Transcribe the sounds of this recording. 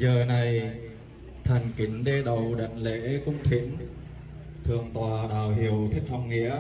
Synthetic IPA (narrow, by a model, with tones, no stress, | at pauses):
zəː˨˩na˨˩j | t̪ʰa˨˩jŋ̟kï˨˦ŋ̟ɗe˧ɗə˨˩wɗa̰˧˨jŋ̟lḛ˧˥kʊ̰˧˥ŋ͡mt̪ʰi˧˦ŋ | t̪ʰɨ˨˩əŋt̪waː˨˩ɗaː˧˨˩wɦi˧˨˩əwt̪ʰi˦˥k̚hɔ˧wŋ͡mŋḭ˧˥ə